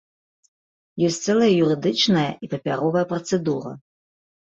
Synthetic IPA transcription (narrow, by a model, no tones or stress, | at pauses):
jɔsʲt̪sɛlˠɐjɐjuɾɨd̪ɨt͡ʂnɐjɐʔipɐpʲaɾɔvɐjɐprɐt̪sɛd̪urɐ̰